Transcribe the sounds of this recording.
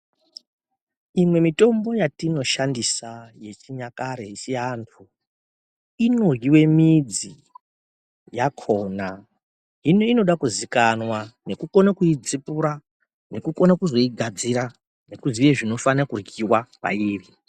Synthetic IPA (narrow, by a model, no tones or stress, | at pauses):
imwe̞mito̞mbo̞jatino̞ʃandisaje̞t͡ʃiɲakaɾeisiantʰu | ino̞rɡiwe̞mid͡zi | jakʰoːna | inoino̞ɗakuzikanwane̞kuko̞nakuid͡zipuɾa | ne̞kukonakuzo̞iɡʱad͡ziɾa | ne̞kuziujeʐino̞fanakurɡiwapa̰iːri